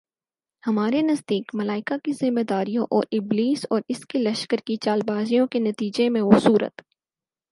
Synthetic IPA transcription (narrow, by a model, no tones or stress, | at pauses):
hɐmaːɾenɐzd̪iːkmɐlaːɪkakizɪmːed̪aːɾijõʔɔːɾɪbliːsɔːɾɪskilɐʃkəɾkit͡ʃaːlbaːzijõkenɐt̪iːd͡ʒemẽʋosuːɾə̰t̪